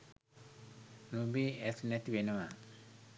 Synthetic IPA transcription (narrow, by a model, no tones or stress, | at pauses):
nubiːɛsnɛt̪iʋenəʋa